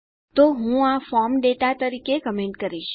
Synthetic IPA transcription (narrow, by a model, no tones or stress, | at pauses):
t̪oɦũafɔɾmɖeʈat̪əɾikekəmẽɳʈkəɾiʃ